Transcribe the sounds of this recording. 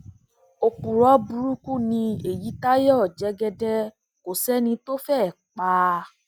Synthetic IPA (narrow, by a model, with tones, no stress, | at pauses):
o˧k͡pu˨ɾɔ˨˦bu˧ɾu˦ku˦˨nĩ˧e˨ji˨˦ta˦jɔ˦˨d͡ʒɛ˨˦ɡɛ˧dɛ˦ | ko˨sɛ˦nĩ˧to˦fɛ˦˨k͡pa˧